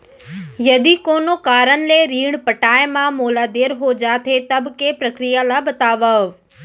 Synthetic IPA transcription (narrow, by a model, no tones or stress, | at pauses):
jɐd̪ikoːnokaːɾənɪ̆leɾiːɽ̃pɐʈaːemãmoːlaːd̪eːɾɦod͡ʑaːt̪ʰet̪ɐbkepɾɐkɾijalaːbɐt̪aːʋəɦ